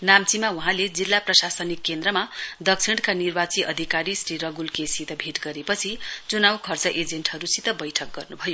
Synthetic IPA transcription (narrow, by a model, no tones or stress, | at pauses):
namt͡simauɦãled͡zilːaprʌsasʌnikːend̪rʌmad̪ʌksʰiɽkanirbat͡siʔʌd̪ʱikaɾisriɾʌɡulkesit̪ʌbʱeʈɡʌɾepʌt͡sʰit͡sunawkʰʌrt͡sʌʔed͡zenʈɦʌɾusit̪ʌbʌjʈʰʌk̚ɡʌrnubʱʌjo